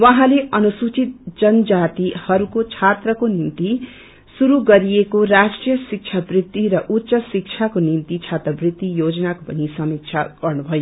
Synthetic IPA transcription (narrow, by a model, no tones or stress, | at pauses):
waɦãleʔʌnusut͡sit̪̚d͡zʌnd͡zat̪ihʌɾukot͡sʰat̪rʌkonimt̪i | suɾuɡʌɾiekoɾasʈrijʌsik̚t͡ʃʰabrit̪ːiɾʌʔutːsʌsik̚t͡sʰakonimt̪it͡sʰat̪rʌbrit̪ːijod͡zʌnakopʌnisʌmik̚t͡sʰa̰ɡ̥ʌrnubʱʌjo